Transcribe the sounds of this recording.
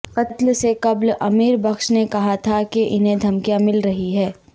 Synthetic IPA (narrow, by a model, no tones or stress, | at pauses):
qɐtt̪lsekɐblɐmiːɾbɐkʃnekɐɦat̪ʰakeʔɪnɦẽd̪ʱɐmkijamɪlɾɐɦiɦɛː